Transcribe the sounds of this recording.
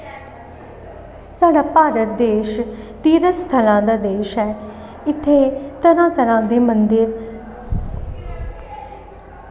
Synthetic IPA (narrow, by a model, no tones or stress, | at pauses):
saːɽaːpaːɾət̪̚d̪eːʃ | t̪iːɾəst̪ʰəlãːd̪aːd̪eːʃɦɛː | ɪt̪ʰːeːt̪əɾãːt̪əɾãːd̪eːmənd̪ɪɾ